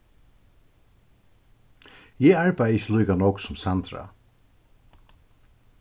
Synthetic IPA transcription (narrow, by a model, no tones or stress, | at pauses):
jɛaɹbajəsluːkanɔksɔmsant̪ɾa̰